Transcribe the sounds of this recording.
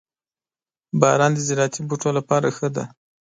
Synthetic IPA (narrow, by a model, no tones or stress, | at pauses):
bɑɾɑnd̪əzɪɾɑt̪ʰibuʈolapɑɾaxəd̪a̰